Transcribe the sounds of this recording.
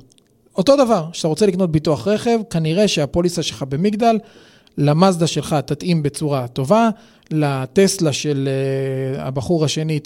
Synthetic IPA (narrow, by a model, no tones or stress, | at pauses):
o̞to̞d̪avaʁʃat̪aʁo̞t͡se̞likno̞t̪̚bituaχʁe̞χe̞vkaniʁe̞ʃeapo̞lisaʃelχabe̞miɡd̪alː | amazd̪aʃe̞lχat̪at̪imbe̞t͡suʁato̞va | lat̪e̞slaʃel | a̰baχuʁhaʃe̞ni